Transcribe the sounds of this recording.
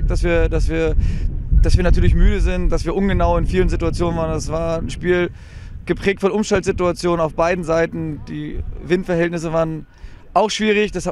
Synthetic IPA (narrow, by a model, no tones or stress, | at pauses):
k̚d̥asviːɐdasv̥iːɐd̥asv̥iːɐnatʰyːɐlɪçmyːɾəzɪntd̥asv̥iːɐʔʊnɡənaʊɪnfiːlənzɪtuat͡sjoːnənvaːʁəndasv̥aːɐn̩ʃpiːl | ɡ̥əpʁ̥ɛːk̚tfɔnʔʊmʃtaltz̥ɪtuat͡sjoːnənaʊfb̥aɪdn̩zaɪtn̩d̥ḭːvɪntfɛɐɦɛltnɪs̬əvaːʁən | ʔaʊxʃv̥iːʁ̞ɪçd̥ɛsha